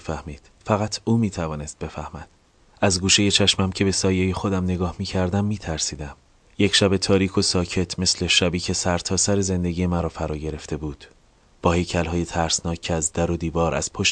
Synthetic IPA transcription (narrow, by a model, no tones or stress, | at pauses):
fæhmiːd̪̥fæɣæt̪ʰuːmiːt̪ʰævɒːne̞st̪̚be̞fæhmæd̪̥ | æzɡuːʃe̞je̞t͡ʃʰæʃmæmcʰe̞be̞sɒːjeje̞xo̞d̪æmne̞ɡɒːhmiːcʰæɾd̪æmːiːt̪ʰæɾsiːd̪æm | jecʰʃæbe̞t̪ʰɒːɾiːkʰo̞sɒːcʰe̞t̪ʰme̞sle̞ʃæbiːcʰe̞sæɾt̪ʰɒːsæɾe̞ze̞nd̪e̞ɟiːjemæɾɒːfæɾɒːɟe̞ɾe̞ft̪ʰe̞buːd̪̥ | b̥ɒːhe̞jcʰælɦɒːje̞t̪ʰæɾsnɒːcʰːeæzd̪æɾo̞d̪iːvɒːɾʔæ̰z̥pʰoʃ